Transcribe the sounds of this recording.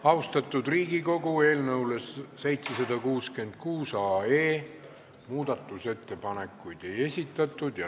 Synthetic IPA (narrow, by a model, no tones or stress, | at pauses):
ɑwst̪ɑt̪ːˑud̪riːɡ̥iko̞ɡue̞ːlnɤwle̞sːe̞jt̪sesɑd̪̥ɑkuːske̞nd̪̥̚kuːsɑːe̞ː | muːd̪̥ɑt̪ːˑuse̞t̪ːe̞pɑne̞kːˑujd̪̥e̞je̞sʲit̪ːˑɑt̪ːˑud̪̥jɑ